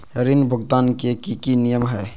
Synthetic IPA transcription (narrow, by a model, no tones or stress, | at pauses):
ɾinbʱʊɡt̪ankekikinijəmɦɛ